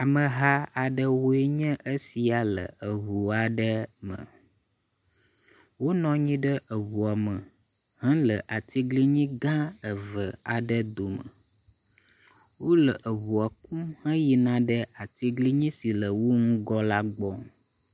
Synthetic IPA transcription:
a˨mə̃˨ɦa˦a˨ɖə˦wo˦e˦ɲə̃˦ʔə˦si˨a˨lə̰˨ə˨βu˨a˨ɖə˦mə̰̃˨ | wo˦nɔ̃˦ɲĩ˦ɖə˦ʔə˨βu˨a˨mə˨ | hã˦lə˨ʔa˨t̪i˦ɡli˦ɲĩ˦ɡã˦ə˨və˨a˨ɖə˦d̪o˨mə̰˨ | wo˦lə˨ʔə˨βu˨a˨ku˦hə̃˦ji˨nã˦ɖə˦a˨t̪i˦ɡli˦ɲĩ˦si˨lə˨wo˦ŋũ˦ɡɔ˦la˦ɡ͡bɔ˦

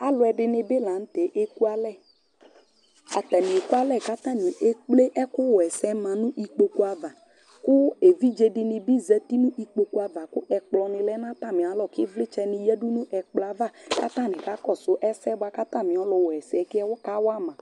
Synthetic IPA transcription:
a˨lʊ˨˦ɛ˨ɖɪ˨nɪ̃˨be˦la˨n̩˦t̪e˨˦ʔe˦ku˦a˦lɛ˦˨ | a̰˨t̪ɛ˨nɪ̃˨e˨ku˦a˦lɛ˦˨ka˦t̪ã˦˨nĩ˨ʔe˦k͡ple˦ʔɛ˦kʊ˦wɔ˨ɛ˨sɛ˦mã˨nũ˦ʔi˨k͡po˨ku˦a˨va˨ | kʊ˦e˨vi˦d͡ʒe˨dɪ˨nɪ̃˨bi˦zɛ˦t̪i˦nũ˦ʔi˦k͡po˨ku˦a˨va˨kʊ˦ʔɛ˨k͡plɔ˨nɪ̃˨lɛ˦nã˦t̪a˦˨mɪ̃˨a˨˦lɔ˨kɪ˦vlɪ˦t͡ʃɛ˦nɪ̃˨jɛ˦du˦nũ˦ʔɛ˨k͡pla˨va˦˨ka˦t̪ã˦˨nɪ̃˨ka˦kɔ˦˨sʊ˦ʔɛ˦sɛ˦ba˦ka˦t̪ã˦˨mɪ̃˨ɔ˨˦lɔ˨wɔ˨ɛ˨sɛ˨˦kɪ˦ɛ˦wɔ˦ka˦wa˦mã˨

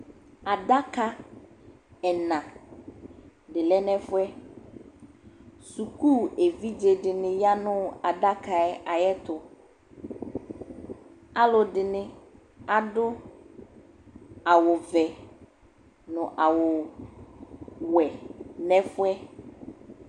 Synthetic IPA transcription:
a˨da˦ka˦ | ɛ˨nã˨ | dɪ˨lɛ˦nɛ̃˦fʊ˦ɛ˦ | su˨ku˦˨e˨vi˦d͡ʒe˨dɪ˨nɪ̃˨ja˦nʊ̃˦a˨da˦ka˨ɛ˦a˨jɛ˦t̪ʊ˨ | a˦lʊ˨dɪ˨nɪ̃˦ | a˨dʊ˦ | a˨wʊ˨vɛ˨ | nʊ̃˨ʔa˨wʊ˨ | wɛ˨nɛ̃˦fʊ˦ɛ˦

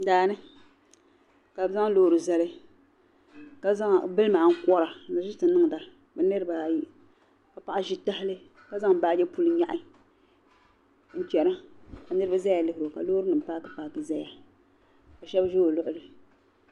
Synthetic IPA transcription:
daː˨nɨ˦ | ka˨bza˦ŋ˦loː˦ɾɨ˨zɛ˦lɨ˦ | ka˨za˦ŋ˨bɨ˦lmaː˨ŋ̩˦kɔ˦ɾa˨na˨zɪ˦tɨ˨˦nɨ˦ŋ˨da˨ | bɨ˨nɨ˦ɾɨ˦ba˨ji˦ | ka˨pa˨ʔa˦ʒi˦ta˦hɪ˦lɨ˦ | ka˦za˦ŋ˨baː˦d͡ʒɛ˦pu˦lɨ˦ɲa˦ʔɪ˦ | n̩˦t͡ʃɛ˨na˦ka˨nɨ˦ɾɨ˦ba˦za˦ja˨lɨ˦hɪ˨ɾo˨ka̰˨loː˦ɾɨ˦nɨ˨m̩˨paː˦ka˨paː˨kɨ˨za˦ja˨ | ka˨ʃɛ˦bʒo˦o˨lʊ˦ʔʊ˨dɨ˨

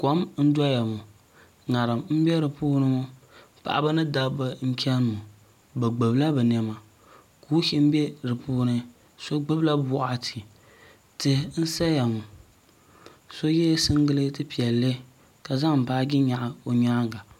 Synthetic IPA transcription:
ko˨˦mn̩˦dɔ˦ja˨mu˨ | ŋa˨ɾɨ˨mm̩˦bɛ˦ɾɨ˨puː˦nɨ˦mʊ˦ | pa̰˨ʔa̰˨bɨ˦nɨ˦da˦bɨ˦ŋ̩˦kʰʲɛ˦n˨mu˨ | bɨ˨ɡ͡bɨ˨bla˦bɨ˨n˨ɛ˨ma˨ | kuː˦hi˦m̩˦bɛ˦ɾɨ˨puː˦nɨ˦ | so˦ɡ͡bɨ˦bla˦bʊ˦ʔa˨tʰi̥˨ | tɨ˨n̩˦sa˦ja˨mu˨ | so˦jɛ˦sɨ˦ŋɡɨ˦lɨ˦tɨ˦pi˨ɛ˨lːɨ˦ | ka˨za˦ŋ̩˨paː˦ɡʲɪ˦ɲa˨ʔa˨o˨ɲaː˦ŋɡa˨

